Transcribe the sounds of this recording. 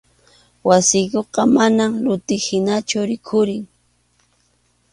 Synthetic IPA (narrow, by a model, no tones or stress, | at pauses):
wasɪkoqɑmanamlʊt̪ɪhɪnat͡ʃʊɾɪkʰʊɾɪŋ